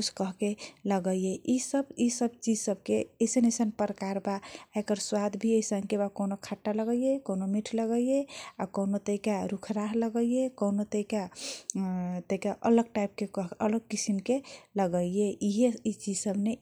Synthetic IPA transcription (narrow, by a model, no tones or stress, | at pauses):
kut͡ʃʰkəɦkeləɡəjeʔisəbisəbt͡ʃid͡ʒsəb̚keesenesənpəɾəkaɾbaekəɾswad̪bʱieisə̃ŋɡkebakonokʰaʈːaləɡəjekonomiʈʰləɡəijeakonot̪əɦikaɾukʰɾaɦləɡəjekonot̪əika | t̪əɦikaʔələɡ̚ʈaip̚kekʌɦələɡ̚kisimkeləɡəijeiɦeit͡ʃid͡ʒsəbne